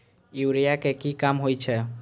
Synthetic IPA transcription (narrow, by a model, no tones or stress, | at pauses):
uwɾijakekikamɦojt͡ʃʰɛ